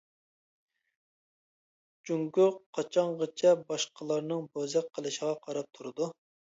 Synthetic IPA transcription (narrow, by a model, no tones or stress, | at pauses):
d͡ʒyŋɡʲʊqʰːɑt͡ʃʰɑɴʁɑt͡ʃʰɛbɑʃqəlˠɑɾnɨŋbozɛqqʰːəlˠɨʃəʁɑqʰɑɾɑp̚t̪ʰuɾɨd̪u